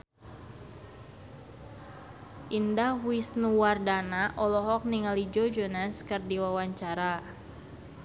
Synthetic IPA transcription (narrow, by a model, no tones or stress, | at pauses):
ʔindahwisnuwardanaʔɔlɔɦɔk̚niŋalid͡ʒod͡ʒonaskɨrdiwawaɲt͡ʃaɾa